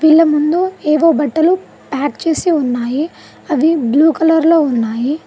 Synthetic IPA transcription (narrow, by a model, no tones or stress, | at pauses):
ʋiɭːɐmund̪ueːʋoːbɐʈːɐlu | paːkt͡ʃe̞ːsiunːaːji | ɐʋibluːkɐlɐɾlo̞ːunːaːji